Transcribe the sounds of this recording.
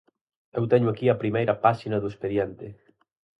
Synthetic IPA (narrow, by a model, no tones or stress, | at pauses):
ewt̪ɛɲʊakiɐpɾimejɾɐpaʃinɐðʊespeðjent̪ɪ